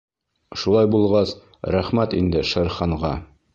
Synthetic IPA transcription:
ʃulˠɑjbulˠʁɑs | ɾæχmæt̪ḭnd̪ɘʃɤ̆ɾχɑɴʁɑ

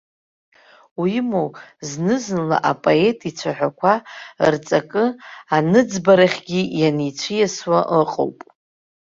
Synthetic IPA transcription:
wimowznɨznla̰ʔapʼoe̞tʼit͡ɕʷʰaħʷᶣakʷʰart͡sʼakʼɨanɨd͡zbaɾaχʲɡʲijanit͡ɕʷʰɨjaswaʔəqʼo̰wpʼ

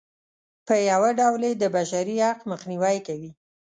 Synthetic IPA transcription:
pəjawaɖawled̪əbaʃaɾiaqməxniwajkawi

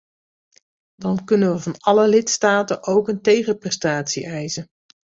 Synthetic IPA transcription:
dɑnkɵnənʋəvɑnɑləlɪtstaːtənʔowkəntejχəprɛstaːtsḭʔɛjzən

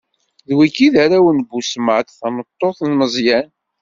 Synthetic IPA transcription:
ðwikiðaɾæwənbusməʕt̪θɑmət̪ˤːoθnməzˤjæn

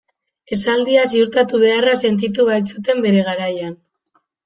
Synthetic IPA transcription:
e̞sald̪iasiuɾt̪at̪uβ̞e̞arase̞nt̪̬it̪̬uβajt͡sut̪e̞mbe̞ɾe̞ɣ̞aɾajan

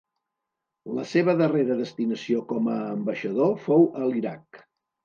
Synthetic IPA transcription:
ləseβ̞əðəreɾəðəst̪inəsiokɔməːmbəʃəðofowʔəliɾak̚

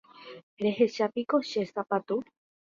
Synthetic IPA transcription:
ɾe̞heʃapikoʃesapat̪u

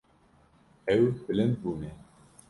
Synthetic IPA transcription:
ɛwbɨlɛnd̪̚buːnɛ

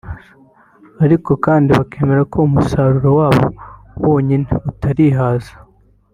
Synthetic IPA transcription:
aɾiko̞kaːndiβakʰe̞ːme̞ɾakʰo̞umusaɾuɾowaːβo̞̰ | wo̞ːɲineutaɾiɦaːzḁ

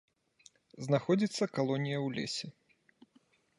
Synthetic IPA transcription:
znaxɔd͡zʲit̪sːɐkalˠɔnʲijɐwlʲḛsʲɛ

